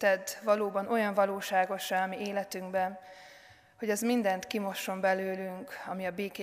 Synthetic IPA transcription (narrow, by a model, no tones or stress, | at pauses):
t̪ɛd̪ʋɒloːbɒnʔo̞jɒɱvɒloːʃaːɡo̞ʃɛɒmieːlɛt̪yŋɡbɛn | ho̞ɟɛzmind̪ɛnt̪kimo̞ʃo̞mbɛløːlyŋkɒmiɒbeːke